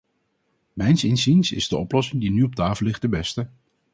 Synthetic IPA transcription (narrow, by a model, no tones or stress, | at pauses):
mɛjnsɪnzinsɪ̰zdəɔplɔsɪŋdinyɔp̚taːfəlːɪχt̚dəbɛstə